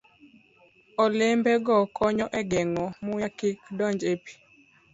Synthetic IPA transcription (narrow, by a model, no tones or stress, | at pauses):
ɔlembɛɡɔkɔɲɔʔɛɡɛŋɔmʊjakikdɔɲd͡ʒepi̥